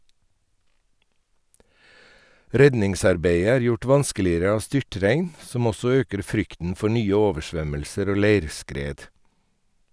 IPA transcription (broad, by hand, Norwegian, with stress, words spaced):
ˈɾɛdnɪŋˌsɑɾbeɪə ˈæːɾ ˈjʊʈ ˈʋɑnskəlɪəɾə ˈɑːʋ ˈstʏʈɾæɪn ˈsɔm ˈɔsɔ ˈøːkəɾ ˈfɾʏktn̩ ˈfɔ ˈɳyːə ˈoːʋəˌʃʋœməlsəɾ ˈoː ˈleɪɾˌskɾeːd